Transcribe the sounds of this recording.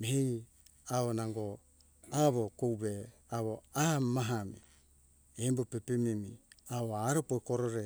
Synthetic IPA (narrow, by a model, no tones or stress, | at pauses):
mehej | aβonaŋɡo | aβokowβeaβoamaɦami | embopepemimiaoaɾopoikoɾoɾe